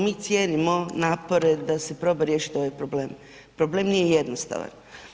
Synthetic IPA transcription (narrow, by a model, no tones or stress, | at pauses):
miːt̪sʲjeːnimo̞naːpo̞ɾe̞d̪ase̞pɾo̞ːbaɾje̞ːʃi̥t̪o̞ʋajpɾo̞ble̞ːm | pɾoble̞ːmnijejed̪nost̪a̰ʋa̰n